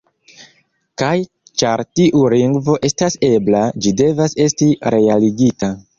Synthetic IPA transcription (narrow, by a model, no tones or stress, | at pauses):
kaj | t͡ʃaɾtiʔuliŋɡvo̞ʔe̞stase̞blad͡ʒide̞vase̞stiɾe̞aliɡita